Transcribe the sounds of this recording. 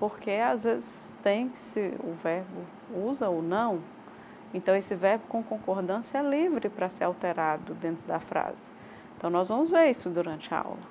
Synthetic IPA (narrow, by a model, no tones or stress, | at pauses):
poɾkeazvezɪs | t̪ẽj̃sɪʊvɛɾbʊ | uzɐonɐ̃w̃ | ẽnt̪ɐ̃w̃esɪvɛɾbʊkõkõkoɾd̪ɐ̃sɪɐlivɾɪpɾɐseɾawt̪eɾad̪ʊd̪ẽnt̪ɾʊd̪ɐfɾa̰zɪ̥ | ẽt̪ɐ̃w̃nɔzvɐ̃mʊzveɾisʊd̪uɾɐ̃nt͡ʃɪɐa̰wlɐ